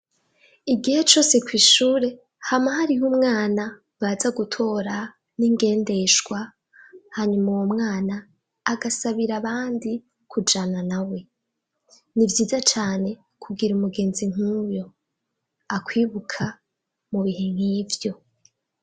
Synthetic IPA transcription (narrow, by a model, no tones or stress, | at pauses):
iɡihe̞t͡ʃo̞ːse̞kwiːʃuːɾe̞ | hamahaɾiɦumŋaːna | βazaɡutʰo̞ɾa | niŋɡe̞ːnde̞ʃɡ̥wa | haɲumuwo̞mŋaːnaː | ɡasaβiɾaβaːndi | kʰud͡ʒananawe̞ | nivjiːzat͡ʃaːne̞ | kʰuɡiɾumuɡe̞ːnziŋ̥uːjo̞ | akwiːβukʰa | muβiɦe̞ŋ̥hiːvjo̞